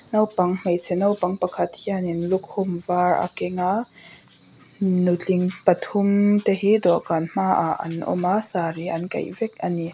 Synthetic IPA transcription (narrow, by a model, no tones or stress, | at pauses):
nɐwpɐŋm̥ejt͡sʰɛnɐwpɐŋpɐkʰɐt̪̚hianinlʊk̚hʊmvaːra̰kɛŋa | nut͡ɬiŋpɐt̪ʰʊmt̪eɦid̪ɔʔkanm̥aʔaʔɐ̰nʔɔ̰masaːɾiʔɐnkɐ̰jvɛk̚ʔɐni